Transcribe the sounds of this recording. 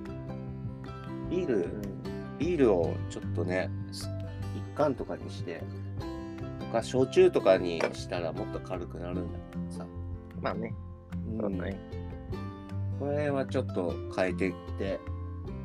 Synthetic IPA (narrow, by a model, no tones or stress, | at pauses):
iːɾɯ̟̃ | iːɾɯ̟o̞̰t͡ɕo̞t̪ːo̞ne̞ | ikːãnt̪o̞kaɲ̟ḭɕi̥t̪e̞̰ | mokaɕo̞t͡ɕɨːt̪o̞kaɲ̟iɕi̥t̪aɾamo̞t̪ːo̞kʰaɾɯ̟kɯ̟naɾɯ̟̃nd̪a̰keed̪osa | maːne̞ | ɯ̟̃ɴ | ko̞ɾe̞βat͡ɕo̞t̪ːo̞kʰaet̪e̞kʲi̥t̪e̞